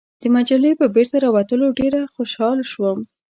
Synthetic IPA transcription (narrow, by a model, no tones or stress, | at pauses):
d̪̥əmad͡ʒalepəbeɾt̪aɾɑwat̪əloɖeɾaxoʃɑlʃwəm